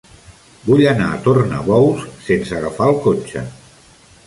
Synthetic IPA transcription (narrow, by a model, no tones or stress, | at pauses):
buʎənaət̪ornə̰βɔwsːensəɣafaəlˠkot͡ʃə̰